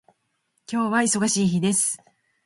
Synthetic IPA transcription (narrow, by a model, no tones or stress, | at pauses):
kʲo̞ːβaiso̞ɡaɕiːçid̪e̞sɨ̥